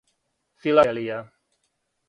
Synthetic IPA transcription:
filalia

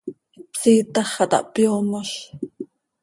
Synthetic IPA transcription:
psiːt̪ɑχɑt̪ɑ̰ʔpjoːmoɬ

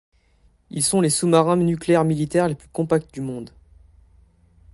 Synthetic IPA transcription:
ilsɔ̃lesumaʁɛ̃nykleɛʁmilit̪ɛʁleplykɔ̃pak̚t̪d̪ymɔ̃d̪

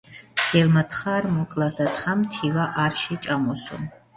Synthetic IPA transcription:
ɡ̥ɛlmat̪χaːɾmɔkʼlˠasd̪at̪χamt̪ʰivaʔaɾʃɛt͡ʃʼamɔsṵm

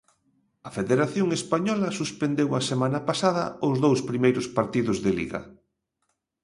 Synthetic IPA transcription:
ɐfeðeɾaθjoŋespaɲɔlɐsuspend̪ewɐsemãnɐpasaðɐ̰ʊzðowspɾimejɾʊspaɾt̪iðʊzðelḭɣɐ̰

